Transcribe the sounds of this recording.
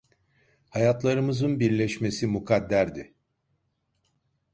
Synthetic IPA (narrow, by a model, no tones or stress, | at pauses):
hajat̪lˠaɾɯmɯzɯnbiɾlʲɛʃme̞simukʰad̪ːæɾd̪ɪ